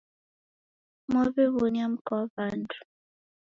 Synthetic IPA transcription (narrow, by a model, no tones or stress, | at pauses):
moβeβonjam̩kɔvandu̥